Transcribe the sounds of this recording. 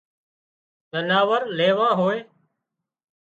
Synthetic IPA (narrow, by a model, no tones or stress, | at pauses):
zənaːʋəɾleːʋãːɦoːeː